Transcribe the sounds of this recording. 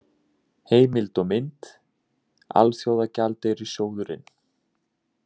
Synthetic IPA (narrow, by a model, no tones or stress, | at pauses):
heːjmɪlt̪ɔmɪnt̪ | a̰lsjaːwðacalt̪eɾisjoːwðʏɾɪ̰n